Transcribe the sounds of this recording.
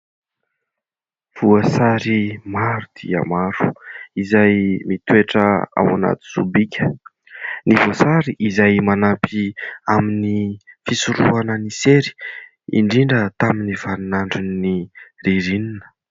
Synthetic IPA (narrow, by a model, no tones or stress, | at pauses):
v̥uəsaɾimaɾud̪̥ḭə̰maɾu̥izajmit̪ueʈ͡ʂəa̰wana̰t̪i̥z̥ubikʲʰə̥ | nivuasaɾiʔizajmanapʰiaminifisuɾuanəniseɾi̥ | ḭɳɖ͡ʐiɳɖ͡ʐət̪aminiv̥anunaɳɖ͡ʐinniriɾininə̥